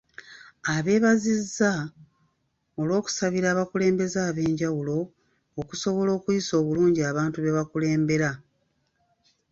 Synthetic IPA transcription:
aβe̞ːβazizːa | o̞lwo̞ːku̥saβiɾaːβakule̞ːmbe̞zaːβe̞ːɲɟawulo̞ː | kuso̞βo̞lo̞ːkujiso̞ːβuluːɲɟiaːβaːntuβe̞βakule̞ːmbe̞ɾa

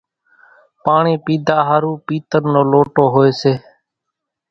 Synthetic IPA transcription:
paːɳiːpiːd̪ʱaːɦaɾuːpiːt̪əɾnoːloːʈoːɦoːeːseː

